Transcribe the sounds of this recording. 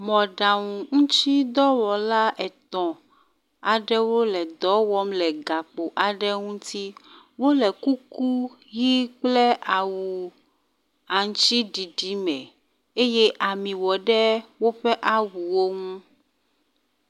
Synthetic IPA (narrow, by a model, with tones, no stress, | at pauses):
mɔ̃˨ɖa˨ŋũ˨ŋũ˦t͡ʃi˦d̪ɔ˦wɔ˨la˦ʔɛ˨t̪ɔ̃˨ | a˨ɖɛ˦wo˦lɛ˨d̪ɔ˨˦wɔ˦mlɛ˨ɡa˨k͡po˨ʔa˨ɖɛ˦ŋũ˦t̪i˦ | wo˦lɛ˨ku˦ku˦ | ɣi˦k͡plɛ˦ʔa˨wu˨ | a˨ŋ˦t͡ʃi˦ɖi˨ɖi˦mɛ̃˨ | e˦je˦ʔa˨mĩ˨wɔ˨ɖɛ˦wo˦ɸɛ˦ʔa˦wu˨wo˦ŋũ˦